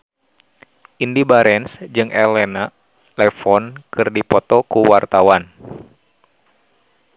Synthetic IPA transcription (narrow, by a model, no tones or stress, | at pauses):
ʔindibaɾɛnsd͡ʒɨŋʔɛlɛna | lɛfɔnkɨrdipɔt̪ɔkuwart̪awan